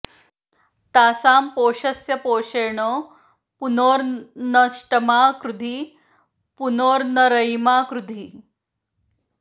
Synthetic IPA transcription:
t̪aːsaːmpoɕɐsjɐpoːɕeɳo | punoːɾnɐʂʈəmakɾud̪ʱiː | punoːɾnəɾəjmaːkɾud̪ʱiː

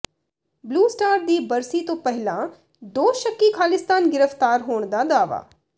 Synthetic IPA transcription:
bluːsʈaːɾd̪iːbɐɾsit̪õpɛɦɪlã | d̪oːʃəkːikʰaːlɪst̪aːnɡɪɾəft̪aːɾɦoːɽ̃d̪ad̪aːʋa̰ː

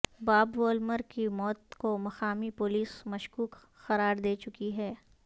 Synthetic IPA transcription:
baːbʋoːlməɾkimɔːt̪komɐxaːmipʊliːsmɐʃkuːk | xɐɾaːɾd̪eːt͡ʃʊkiɦɛː

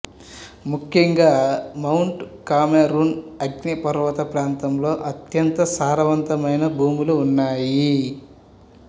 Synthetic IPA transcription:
mukʰjɐŋɡaːmɐwɳʈkaːmeɾunɐɡnɐpɐɾʋɐt̪ɐpɾaːnt̪ɐmlo̞ːʔɐt̪jɐnt̪ɐsaːɾɐʋɐnt̪ɐmɐjnɐbʱuːmuluːnːaːji

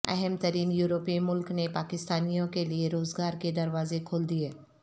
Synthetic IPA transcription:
ɛ̰ɦɛmt̪ɐɾiːnjuːɾoːpimʊlknepaːkɪst̪aːnijõkelieɾoːzɡaːɾked̪ɐɾʋaːzekʰoːld̪ieː

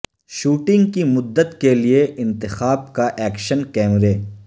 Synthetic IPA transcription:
ʃuːʈɪ̃ŋɡkimʊd̪ːət̪kelieʔɪ̃nt̪ɪxaːb̚kaʔɛːkʃənkɛːmɾeː

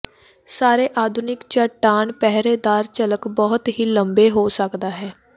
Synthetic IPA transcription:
saːɾeːʔaːd̪ʱunɪkt͡ʃəʈːaːnpɛɦɾeːd̪aːɾt͡ʃələkbɔːʊt̪ɦiːləmbeːɦoːsəkd̪aːɦɛː

